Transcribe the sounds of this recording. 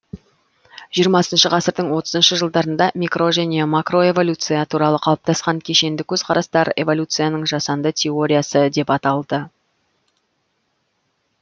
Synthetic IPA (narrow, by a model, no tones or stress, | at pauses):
ʒ̥ijəɾmɑsənʃəʁɑsəɾd̪əɴwo̞t̪əzənʃəʒəlˠd̪ɑɾənd̪ɑmʲikro̞ʒæne̞makro̞e̞vo̞lʲut̪sɨjat̪ʰuɾɑlˠəqʰɑlˠəp̚t̪ɑsqɑŋkʲʰe̞ʃe̞nd̪ɪkʲʰɵzqʰɑɾɑst̪ɑɾe̞̰vo̞lʲut̪sɨjanəɴʒɑsɑnd̪ət̪ʲʰe̞o̞ɾʲijasəd̪e̞pɑt̪ɑlˠd̪ə